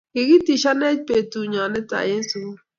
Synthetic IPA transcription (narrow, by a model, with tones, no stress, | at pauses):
kɪ˨ɡi˦ti˨ʃa˦nɛ˦d͡ʒ̚pe˨tu˨ɲɔ˨nɛ˦ta̰˨je˦n˦su˨˦